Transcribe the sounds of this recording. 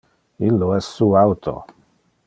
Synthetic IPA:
ilːoɛsːuːawt̪ʰo̰

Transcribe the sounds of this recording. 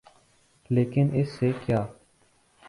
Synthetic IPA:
leːkɪnɪsːekjaː

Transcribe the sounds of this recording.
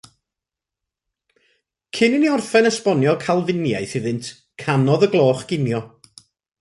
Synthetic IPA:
kʰɪnɪniɔrfɛnəspɔnjɔkʰalˠvɪnjajθɨðɨntʰ | kʰanɔðəɡlˠoːχɡ̥ɪnjɔ

